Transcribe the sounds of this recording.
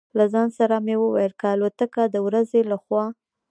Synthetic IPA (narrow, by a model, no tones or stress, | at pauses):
lazɑnsaɾamewəwa̰jəlkaːlot̪əkad̪əwɾazelaxwɑ